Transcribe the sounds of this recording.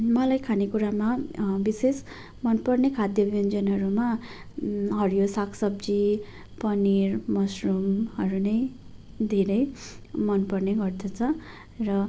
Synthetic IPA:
mʌlajkʰanekuɾamabises | mʌnpʌrnekʰad̪jʌbjʌnd͡zʌnɦʌɾuma | ɦʌrjosakʰsʌb̚d͡zi | pʌnirmʌsrumhʌɾunʌj | d̪ʱeɾʌjmʌnpʌrneɡʌrd̪ʰʌt͡sʰʌ | rʌ

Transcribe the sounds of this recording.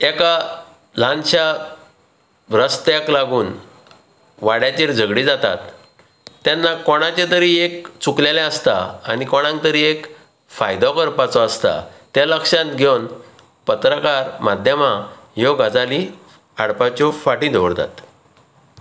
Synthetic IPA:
eka | l̤ʱãnɕa | ɾəst̪jaklaɡuːn | ʋaɽjat͡ɕeɾd͡zəɡɽid͡zat̪a̰t̪ː | janːakɔɽ̃at͡ɕet̪əɾiːekt͡suklelãəst̪aanikɔɽ̃ãŋk̚t̪əɾiːek | fajd̪ɔkəɾpat͡sɔəst̪a̰t̪jaləkʂãnt̪ɡʱjown | pət̪ɾəkaɾmad̪ʱjəmajoɡad͡zali | aɽpat͡ɕɔfaʈĩd̪ʱoɽt̪a̰t̪

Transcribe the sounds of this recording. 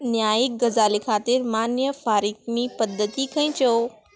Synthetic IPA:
njaːiɡɐzaːlikʰaːt̪ɪɾmaːnjəfaːɾiːkmĩpɐd̪ʱːət̪ikʰɐ̃ĩt͡ʃoo

